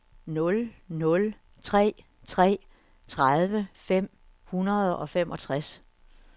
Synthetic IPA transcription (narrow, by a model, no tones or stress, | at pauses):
nɔ̽lnɔ̽l | t͡sʰʁɛ̰ː | t͡sʰʁɛ̰ː | t͡sʰʁaðˠʋəfem̰ | hunɐð̞ˠɒ̽fem̰ʔɒ̽t͡sʰʁas